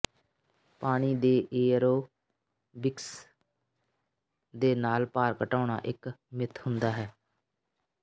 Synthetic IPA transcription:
paːɽ̃iːd̪eːʔeːɾoː | bɪks | d̪eːnaːlpaːɾkəʈaːɳ̃a̰ːʔɪkmɪt̪ʰhʊnd̪aːɦɛː

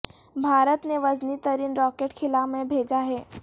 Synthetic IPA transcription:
bʱaːɾət̪neʋɐznit̪əɾiːnɾɔːkeːʈkʰɪlamẽbʱeːd͡ʒaɦɛː

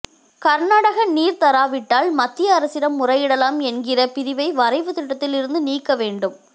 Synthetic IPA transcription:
kɐɾnaːɽɐɣɐniːɾt̪ɐɾaːʋɪʈːaːlmɐt̪ːɪjɐːɾɐsɪɾɐmːʊrɐjɪɽɐlaːmɛnɡɪrɐpɪɾɪʋɐɪʋɐɾɐɪʋɯt̪ɪʈːɐt̪ːɪlɪɾɯnd̪ɯniːkːɐʋeːɳɖɯm

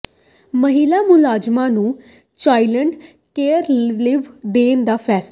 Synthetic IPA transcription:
məɦiːlaːmʊlaːd͡ʒmãːnũː | t͡ʃaːiləɳɖ | keːɾlɪʋd̪eːnd̪aːpʰɛːs

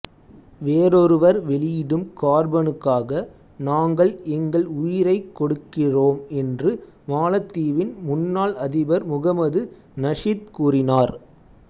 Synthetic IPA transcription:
ʋeːɾɔɾɯʋɐɾʋɛɭɪjɪɽɯmkaːɾbɐnɯkːaːɣɐ | naːŋɡɐɭɛŋɡɐɭʊjɪɾɐɪkːɔɽɯkːɪroːmɛndrɯ | maːlɐt̪ːiːʋɪnmʊnːaːɭɐðɪbɐɾmʊɣɐmɐðɯ | nɐʂɪt̪kuːrɪnaːɾ

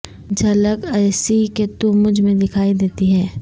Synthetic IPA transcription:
d͡ʒɐləkɛːsiket̪omʊd͡ʒʱmẽd̪ɪkʰaːid̪eːt̪iɦɛː

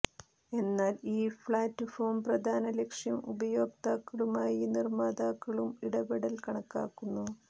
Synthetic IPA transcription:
e̞nːaːliːfɭaːtːɨfoːmprɐd̪ʱaːnɐlekʂjɐmubɐjo̞ːk̚t̪aːkːɐɭumaːjinirmaːd̪aːkːɐɭumiɽɐbeɽɐlkɐɳɐkːa̰ːkːunːu

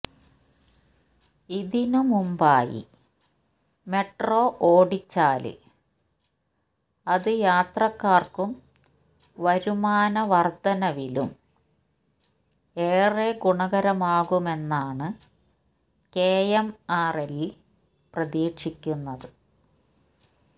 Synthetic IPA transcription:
iðinumumbaːjḭ | me̞ʈro̞ːʔoːɽit͡ɕːaːlɨ̰ | ɐðɨjaːt̪rɐkːaːrkum | ʋɐɾumaːnɐʋɐrd̪ɐnɐʋilṵm | eːreɡuɳɐɣɐɾɐmaːɣume̞nːaːɳɨ | keːjemaːreli | prɐðiːkʂikʲːunːɐðɨ

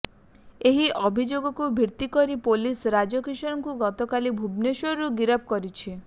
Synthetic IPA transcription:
eɦiʔɔbʱid͡ʒoɡɔkubʱiɾt̪ikɔɾipolisɾad͡ʒɔkiʃɔɾɔŋkuɡɔt̪ɔkalibʱubneʃɔɾuɡiɾɔp̚ʰkɔɾit͡ʃʰi

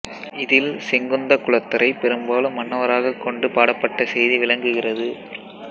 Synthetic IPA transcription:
ɪðɪlsɛŋɡɯnd̪ɐkʊɭɐt̪ːɐɾʔɐɪpɛɾɯmbaːlɯmːɐɳːɐʋɐɾaːɣɐkːɔɳɖɯpaːɽɐpːɐʈːɐsɛjðiʋɪɭɐŋɡɯɣɪrɐðɯ

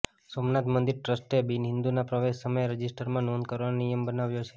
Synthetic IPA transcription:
somnat̪mənd̪iɾʈɾəsʈebinɦɪnd̪unapɾəʋeʃːəməjeɾəd͡ʒisʈəɾmãnond̪kəɾʋannijəmbənaʋjot͡ʃʰe̥

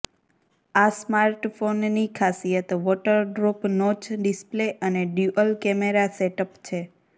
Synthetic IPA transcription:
asmaɾʈfonnikʰasijət̪ʋɔʈəɾɖɾopnɔt͡ʃɖɪspleʔəneɖjuʔəlkɛmeɾaseʈəpt͡ʃʰe

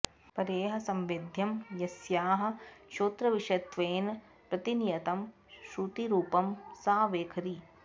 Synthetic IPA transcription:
pɐɾeːɦɐ̆sɐmʋed̪ʱjɐmjɐsjaːɦɐ̆ʃoːt̪ɾɐʋiʂɐt̪ʋeːn | pɾɐt̪inijɐt̪ɐm | ʃɾut̪iɾuːpɐmsaːʋeːkʰɐɾi

